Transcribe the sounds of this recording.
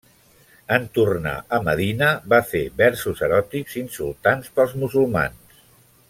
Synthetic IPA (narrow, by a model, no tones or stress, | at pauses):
ənt̪urna̰əməðinəβafeβɛɾsuzəɾɔt̪ikzinsṵlˠt̪anspəlˠzmuzulˠma̰ns